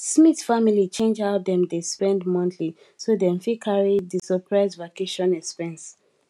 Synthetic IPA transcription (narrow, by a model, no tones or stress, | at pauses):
smitfamilit͡ʃẽnd͡ʒat̚dɛ̃mdespɛ̃ndmɔ̃nθli | sodɛ̃mfikʰaɹidisɔpʰɹaɪsvakeʃɔ̃nɛkspɛ̃ns